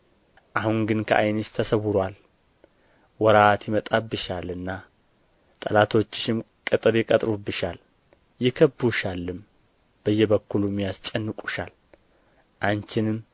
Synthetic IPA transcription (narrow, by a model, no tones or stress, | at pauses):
ʔahunɡɨnkʰə̰ʔajnɨʃt̪ʰəsəwʊɾwal | wɔɾat̪ʰjɪmət̪ʼabɨʃalɨnːa | t̪ʼəlat̪ʰo̞t͡ʃːɪ̥ʃɪm | kʼɨt̪ʼɨɾɪkʼət̪ʼɾubɨʃal | jɪkʰəbuʃalːɨm | b̥əjːɛβəkːulumːijast͡ʃʼɛnːɨkʼu̥ʃa̰l | ʔant͡ʃɪnɨm